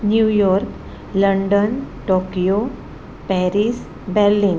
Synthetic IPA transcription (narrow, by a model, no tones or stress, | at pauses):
njuːjɔːɾk | lə̃ɳɖənʈoːkijo | pɛɾiːs | bɛɾlĩːn